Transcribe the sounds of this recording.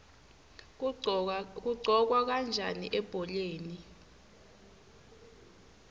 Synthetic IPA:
k̬uɡ͡ǀʱɔk̬wak̬and͡ʒʱaniʔɛb̥ʱɔleːni

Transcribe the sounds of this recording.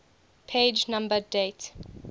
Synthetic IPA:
pʰed͡ʒnãmbədet

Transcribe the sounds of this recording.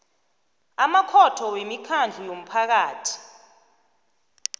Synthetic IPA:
amakʰɔtʰɔwemikʰand͡ɮʱujom̩pʰak̬aːtʰi̥

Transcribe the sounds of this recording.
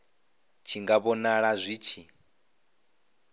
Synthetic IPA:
t͡ʃʰiŋɡaβɔnaɺazʷiːt͡ʃʰi

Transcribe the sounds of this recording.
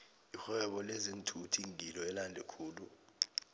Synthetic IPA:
ixwɛɓɔlezintʰutʰiŋʱilɔɛlandʱɛkʰuːlu

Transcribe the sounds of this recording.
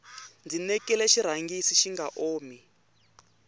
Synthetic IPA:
nd͡zinɛkɛlɛʃiɾ̤aŋɡisiʃiŋɡaʔoːmi

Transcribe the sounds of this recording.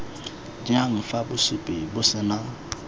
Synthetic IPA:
d͡ʒĩãŋ̩fabʊsupebosɛnã

